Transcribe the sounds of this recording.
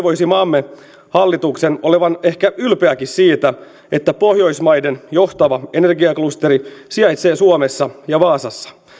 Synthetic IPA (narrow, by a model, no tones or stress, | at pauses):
ʋojsimɑmːe | hɑlːit̪ukseno̞leʋɑne̞hkæylpeækissiːt̪æ | e̞t̪ːæpo̞hjo̞jsmɑjde̞njo̞ht̪ɑʋɑe̞ne̞rɡiɑklust̪e̞ɾisiɑjt̪se̞ːsuomesːɑjɑʋɑːsɑsːɑ̥